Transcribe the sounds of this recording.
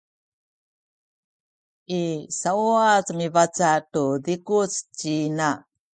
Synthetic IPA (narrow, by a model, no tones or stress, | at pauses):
isauat͡smivat͡satudikut͡st͡ɕina